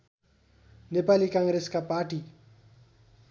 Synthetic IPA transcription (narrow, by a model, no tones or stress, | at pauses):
nepaːlikãːŋɡɾeskapaːʈi